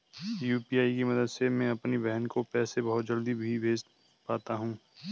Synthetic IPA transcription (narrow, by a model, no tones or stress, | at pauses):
juːpiːaːikemɐd̪əd̪semɛ̃ɐpnibɛɦənkopɛːsebɐɦʊt̪̚d͡ʒɐld̪ibʱibʱeːd͡ʒ | paːt̪aɦũː